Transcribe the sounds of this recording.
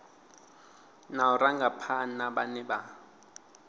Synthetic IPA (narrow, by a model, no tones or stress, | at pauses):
nauraŋɡapʰanaɓanɛɓa